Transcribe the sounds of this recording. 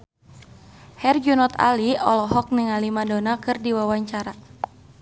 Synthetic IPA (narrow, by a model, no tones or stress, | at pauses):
hɛrd͡ʒunɔt̪a̰liɔlɔɦɔk̚niŋalimadɔnakɨrdiwawaɲt͡ʃaɾa